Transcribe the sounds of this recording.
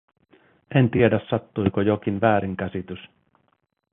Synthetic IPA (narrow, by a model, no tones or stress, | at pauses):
ʔent̪iedæsːɑt̪ːujkojok̟inʋæːɾiŋkæsit̪ys